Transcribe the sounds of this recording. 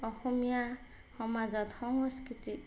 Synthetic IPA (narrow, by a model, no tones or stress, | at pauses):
ɔxɔmija | hɔmazɔt̪hɔŋɔskit̪i